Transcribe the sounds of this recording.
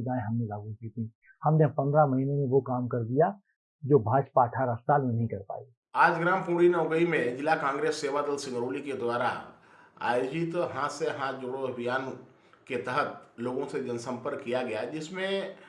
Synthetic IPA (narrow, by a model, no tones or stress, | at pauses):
d͡ʒãːẽɦɐmnẽlaːɡukit̪ĩ | hɐmnepɐ̃nd̪ɾamɐɦinemẽʋokaːmkɐɾd̪ija | d͡ʒoːbʱaːʃpaɐʈʰaːɾasaːlmẽnɐɦĩkɐɾpa̰ːi | aːd͡ʒɡɾaːmpuːɽinəʊɡəimẽd͡ʒɪlːakãːŋɡɾeːsːeːʋad̪əlsɪ̃ŋɡəɾoːliked̪waːɾa̰ | a̰ːjoːd͡ʒɪt̪ɦãseɦãd͡ʒʊɽoɐbʱijaːn | ket̪əɦət̪loːɡõsed͡ʒɐnsə̃mpəɾkːijaɡɐjad͡ʒɪsmẽ